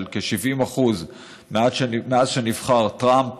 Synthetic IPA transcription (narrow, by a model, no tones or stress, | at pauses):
lkeʃivimaχuz | meaʃmeazʃenivχaʁtʁamp